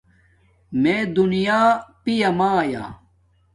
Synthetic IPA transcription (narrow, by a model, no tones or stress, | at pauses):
mẽːd̪unijaːpijamaːja̰ː